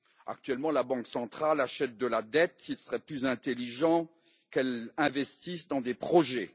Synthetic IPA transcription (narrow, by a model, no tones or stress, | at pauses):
a̰k̚t̪ɥɛlmɑ̃labɑ̃ksɑ̃t̪χalaʃɛt̪̚d̪əlad̪ɛt̪ilsəʁɛplyzɛ̃t̪eliʒɑ̃ | kɛlɛ̃vɛst̪isd̪ɑ̃d̪epχɔʒɛ